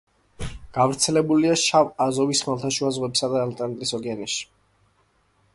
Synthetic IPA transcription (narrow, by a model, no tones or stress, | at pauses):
ɡ̥avɾt̪sʰɛlɛbuliaʃavazɔvisχmalˠt̪ʰaʃuazʁwɛpsad̪aːlt̪ʼɛnat̪ʼisɔɡianɛʃi̥